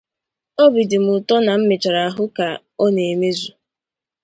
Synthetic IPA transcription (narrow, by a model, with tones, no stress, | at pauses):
ɔ˦bi˨dɪ˨m̩˨ʊ˨tɔ˦na˨m̩˦mɪ˨t͡ʃa˨ɾa˨a˨ɦʊ˦ka˨ | ɔ˦ne˨e˨me˦zu˨